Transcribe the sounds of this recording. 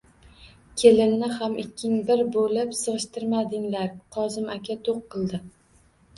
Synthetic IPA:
kʲʰelɪnnɪhamʔɪkʲʰːɪŋbɪɾbolɪpsɨʁɨʃt̪ɪɾmad̪ɪŋlaɾqʰɒzɪmakʲat̪ʰoqʰːɨlˠd̪ɪ

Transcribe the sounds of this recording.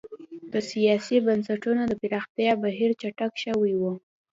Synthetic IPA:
d̪̥əsijɑsibansaʈunod̪əpɪɾɑxt̪jɑbaɦiɾt͡ʃaʈakʃəwiwu

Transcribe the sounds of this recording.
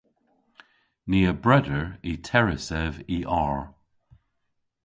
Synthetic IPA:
niːəbɹɛdəɹitʰɛɹɪsɛviʔɑɹ

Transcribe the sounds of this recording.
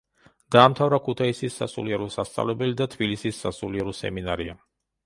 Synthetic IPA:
d̪̥aːmt̪ʰavɾakʰut̪ʰaisisːa̰sṵliɛɾɔsast̪sʼa̰vlɛbɛlid̪at̪ʰbilisisːasuliɛɾɔsɛ̰minaɾia

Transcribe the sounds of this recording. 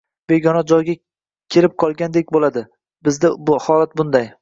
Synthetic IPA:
b̥e̞ɡʲɒnad͡ʒɒjɡʲa | kʲʰe̞lɪp̚qʰɒlˠɡʲand̪ekʲbolad̪ɪ | bɪzd̪ɪhɒlˠat̪̚bʊnd̪aj

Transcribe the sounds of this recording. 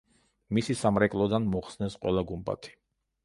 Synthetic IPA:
misisamɾɛkʼlˠɔd̪anmɔχsnɛsqʼwɛlˠaɡumbʼa̰t̪ʰi̥

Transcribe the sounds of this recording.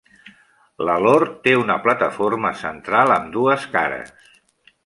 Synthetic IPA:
ləloɾt̪eunəplət̪əforməsənt̪ɾalˠəmd̪uəskaɾə̰s

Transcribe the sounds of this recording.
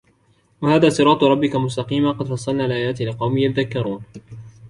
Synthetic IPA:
wahaːðaːsˤɨɾˤɑːt̪ˤɾˤɑbːɪkamʊs̬t̪ɑqiːmaqɑd̪fɑsˤːɑlnaːlɪʔaːjaːt̪ːalɪqɑwmijat̪ðakːɑɾˤuːn

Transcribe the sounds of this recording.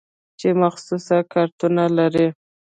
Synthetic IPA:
t͡ʃemaxsusakʰaɾt̪unalaɾi

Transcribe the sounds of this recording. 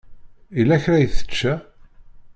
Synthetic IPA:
ilːæçɾæjəθə̥t͡ʃːæ

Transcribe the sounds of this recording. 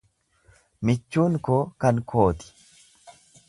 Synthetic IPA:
mɪt͡ʃːuːŋkoːkɐŋkʰo̞ːt̪ɪ̥

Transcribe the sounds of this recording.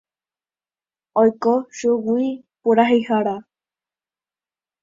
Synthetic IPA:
ojkoʃuɡui | puɾaɦihaɾa

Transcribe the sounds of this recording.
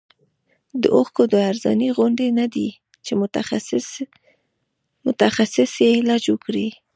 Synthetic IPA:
d̪ə̰ʔoxkod̪əaɾzɑ̰niɣʊɳɖenad̪i | t͡ʃe | mʊt̪axasɪsjelɑd͡ʒwəkɽi

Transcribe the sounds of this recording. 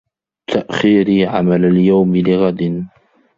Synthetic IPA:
t̪aʔxiːɾiʕa̰malaljawmlɪɣad̪ɪn

